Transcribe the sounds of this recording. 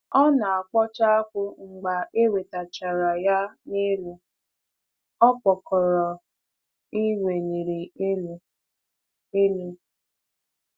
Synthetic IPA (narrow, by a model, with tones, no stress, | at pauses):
ɔ˦na˨a˨k͡pɔ˦t͡ʃa˦a˦kʷʊ˦ŋ͡m̩˨ɡ͡ba˨ʔe˦we˨ta˨t͡ʃa˨ɾa˨ja˦ni˦lu˨ | ɔ˦k͡pɔ˨kɔ˨ɾɔ˨ | i˦we˨ni˨ɾi˨e˦l | e˦le˦